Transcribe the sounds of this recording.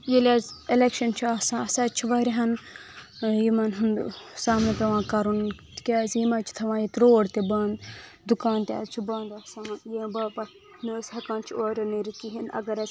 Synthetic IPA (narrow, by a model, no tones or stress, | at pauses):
jilʲaːzelekʃɐnt͡ʃʰiɐsãːɐsat͡ʃʰiʋɐɾiɦɐn | jimɐnɦund̪usaːmnɐp̪ɐʋãːkɐɾunkʲaːzjimɐːt͡ʃʰi̥t̪ʰɐʋãːjit̪ɾoːɽt̪ebɐːn | d̪ukaːnt̪ʲa̰ːzt͡ʃʰibɐːnd̪ɐsɐmɐnjebɐːpɐ | noːshɐkãːnt͡ʃʰioːɾʲoniɾit̪iɦinɐ̰ɡɐɾɐ